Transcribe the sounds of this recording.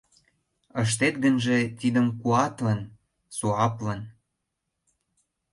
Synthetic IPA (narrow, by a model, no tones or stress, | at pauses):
əʃ̬t̪et̪ɡənʒĕt̪id̪əmkuɑt̪lən | suɑplən